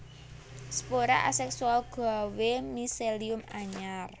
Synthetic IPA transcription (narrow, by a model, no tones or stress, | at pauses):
sə̥poɾa̰ʔasɛksualɡ̥awemiseliʊmaɲar